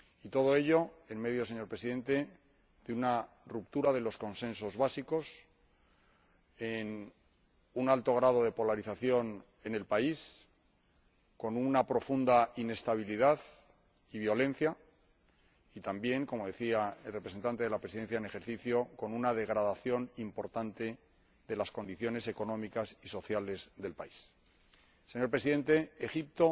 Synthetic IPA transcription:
it̪o̞ðo̞e̞ʎo̞e̞nme̞ðjose̞ɲo̞ɾpɾe̞siðe̞nt̪e̞ | d̪euna | rup̚t̪uɾaðe̞lo̞sko̞nsẽ̞nso̞zβasiko̞s | en | unalt̪o̞ɣ̞ɾað̞o̞ðe̞po̞laɾiθaθjo̞n | e̞ne̞lpais | ko̞nunapɾo̞fund̪aine̞st̪aβ̞iliðað | iβ̞jo̞lẽ̞n̟θja | it̪ambje̞ŋko̞mo̞ðe̞θiaelrepɾes̬ent̪ant̪eðelapɾesiðe̞n̟θjaene̞xe̞ɾθiθjo̞ko̞nunað̞e̞ɣ̞ɾaðaθjo̞nimpo̞ɾt̪ant̪e̞ | ðe̞lasko̞nd̪iθjo̞ne̞se̞ko̞nõ̞mikasiso̞θjale̞zðe̞lpaisː | e̞ɲo̞ɾpɾe̞siðe̞nt̪e̞exip̚t̪o̞

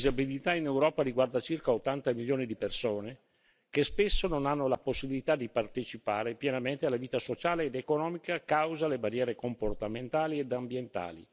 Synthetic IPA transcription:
d̪izabilit̪ainewɾɔːpaɾiɡward̪at͡ʃirkaot̪ːant̪amiljoːnid̪ipersoːne | kespesːononanːolaposːibilit̪ad̪ipart̪et͡ʃipa̰ːɾepjɛnament̪ealaviːt̪asot͡ʃaːleːd̪ekonɔːmikakawzalebarjɛːɾekomport̪ament̪aːlied̪ambjent̪a̰ːlḭ

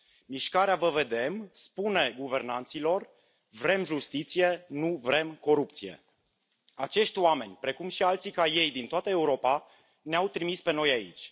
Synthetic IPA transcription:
miʃkaɾeavəve̞d̪e̞mspune̞ɡuve̞rnant̪silo̞r | vɾe̞mʒust̪it̪sije̞nuvɾe̞mko̞ɾup̚t̪sije̞̰ | at͡ʃe̞ʃt̪ʲoame̞nʲpɾe̞kumʃialt̪sikaje̞jd̪int̪oat̪əe̞uɾo̞pa | neawt̪ɾimispe̞no̞jaḭt͡ʃʲ

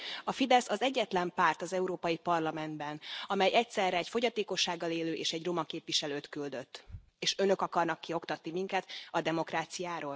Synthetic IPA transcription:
ɒfid̪ɛsɒzɛɟːɛt̪lɛmpaːrt̪ɒzɛuɾoːpɒjipɒrlɒmɛnd̪bɛnɒmɛjɛc̚sɛrɛːcfo̞ɟɒt̪eːko̞ʃːaːɡːɒleːløːʔeːʃɛɟro̞mɒkeːpʋiʃɛløːt̪kyld̪øt̪ː | eːʃø̞nø̞kɒkɒrnɒkːio̞kt̪ɒt̪nimiŋkɛt̪ɒd̪ɛmo̞kraːt̪sijaːɾoːl

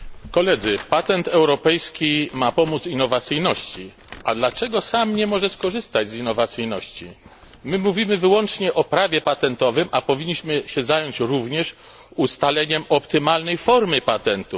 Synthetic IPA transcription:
kɔlɛd̪zɘpat̪ɛnt̪ɛwɾɔpɛjskʲimapɔmut̪sinːɔvat̪sɘjnɔɕt͡ɕi | ad̪lat͡ʂɛɡɔsamɲɛmɔʐɛskɔʐɘst̪ad͡ʑzinːɔvat̪sɘjnɔɕt͡ɕi | mɘmuvʲimɘvɘwɔnt͡ʂɲɛʔɔpɾavʲjɛpat̪ɛnt̪ɔvɘmʔapɔvʲiɲːiɕmɘɕɛzajɔɲt͡ɕɾuvɲɛʂ | ust̪alɛɲɛmɔpt̪ɘmalnɛjfɔɾmɘpat̪ɛnt̪u

